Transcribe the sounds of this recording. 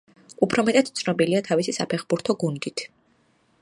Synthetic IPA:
upʰɾɔmɛt̪ʼad̪̥̚t̪sʰnɔbiliat̪ʰavisisapʰɛχbuɾt̪ʰɔɡund̪it̪ʰ

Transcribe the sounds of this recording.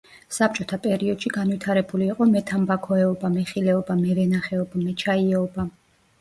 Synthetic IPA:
sap̚t͡ʃʼɔt̪ʰapʼɛɾiɔd̪̥ʃiɡanvit̪ʰaɾɛbuliːqʼɔmɛt̪ʰambakʰɔɛɔbamɛχilɛɔbamɛvɛnaχɛɔbamɛt͡ʃʰaiɛɔba

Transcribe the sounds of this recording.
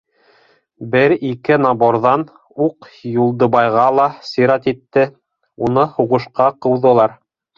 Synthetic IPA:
bɘɾikɘnɑboɾðɑn | uqjulˠd̪ɤ̆bɑjʁɑlˠɑsiɾɑt̪it̪ːɘ | unɤhuʁɤ̆ʃqɑqɤ̆wðɤ̆lˠɑɾ

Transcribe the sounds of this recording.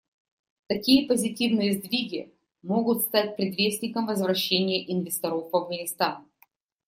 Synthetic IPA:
t̪ɐkʲijəpəzʲɪtʲivnɨjəzd̪vʲiɡʲɪ | mo̞ɡʊt̪st̪at̚ʲpɾʲɪd̪vʲesʲnʲɪkəmvəzvɾɐɕːenʲɪjəʔɪnvʲɪst̪ɐɾofvɐvɡənʲɪst̪an

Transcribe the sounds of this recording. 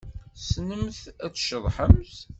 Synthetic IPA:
snəmθæt͡sːʃəðˤħəmθ

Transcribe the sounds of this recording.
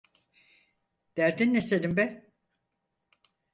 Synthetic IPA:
d̪̥æɾd̪inːeselimbɛ

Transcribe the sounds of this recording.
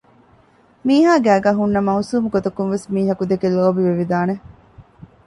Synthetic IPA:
miːɦaːɡæːɡæːɦunːɐmɐusuːmuɡot̪ɐkunʋesmiːɦɐkud̪ekeloːbiʋeʋid̪aːne

